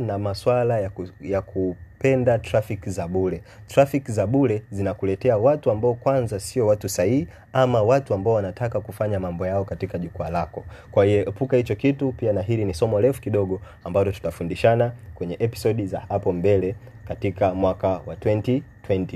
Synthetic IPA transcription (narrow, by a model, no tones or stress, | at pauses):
namaswalajjakʰupɛndatɾafikizaɓulɛ | tɾafikizaɓulɛzinakulɛtɛawatuambaɔkwanzasiɔwatusaii | amawatuambaɔwanatakakufaɲamambɔjaɔkatikaʄukualakɔkwahijɛʔɛpukahit͡ʃɔkitupianaɦilinisɔmɔlɛfu̥kiɗɔɠɔ | ambalɔtu̥tafundiʃanakwɛɲɛʔɛpi̥sɔɗiza̰hapɔmbɛlɛ | katikamwakawatwɛntitwɛnti